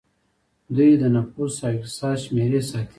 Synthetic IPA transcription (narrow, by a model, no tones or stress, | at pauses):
d̪ujd̪ənafussaɪksɑʃmeɾesɑt̪ʰ